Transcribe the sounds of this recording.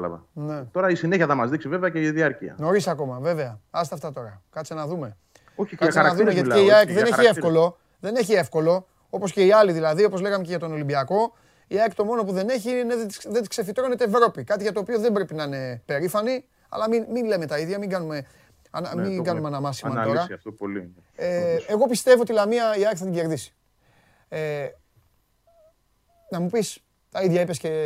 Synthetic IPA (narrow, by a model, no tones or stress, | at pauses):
lɐ̰vɐ̰net̪o̞ɾɐisineçiɐθɐmɐzðiksive̞veɐceiðiɐɾcḭɐ̰no̞ɾisɐko̞mɐve̞ve̞ɐɐs̬t̪eɐft̪ɐt̪o̞ɾɐkɐt͡senɐðume̞ | okɐsɐðumeʝɐt̪eiakðeneçiefko̞lo̞ | ðe̞neçie̞fko̞lo̞ | o̞po̞sce̞iɐliðilɐðio̞po̞zle̞ɣɐme̞ceʝɐt̪o̞no̞limbiɐko̞ | iɐekt̪o̞mo̞no̞puðe̞neçiineðeðet̪i̥skse̞fit̪ɾo̞ne̞t̪eːvɾo̞pikɐt̪iʝɐt̪oːpio̞ðe̞mbɾepinɐine̞pe̞ɾifɐni | ɐ̰lɐmiminle̞me̞t̪ɐiðʝɐmiŋɡɐnume̞ | ɐ̰nɐmiɡɐnumeɐnɐmɐsi̥mɐt̪o̞ɾɐtl | eeɣo̞pist̪e̞voot̪ilɐmiɐiɐɾkθɐt̪iɲɟe̞ɾðisi̥ | e | nɐmupis | t̪ɐiðʝɐipesce̞